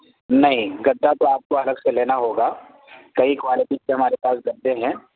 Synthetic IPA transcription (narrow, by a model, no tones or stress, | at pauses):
nɐɦĩɡɐd̪ːat̪oaːp̚koɐləɡseleːnaɦoːɡaː | kɐikwaːlɪʈikeɦɐmaːɾepaːsɡɐd̪d̪eɦɛ̃ː